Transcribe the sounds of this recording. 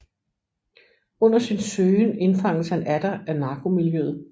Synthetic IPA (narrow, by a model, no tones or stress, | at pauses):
ɔ̽n̰ɐsinsøːne̝nfɑ̈ŋ̰l̩shænæd̥ɐænɑ̈ːɡ̥o̝miljøð̩ˠ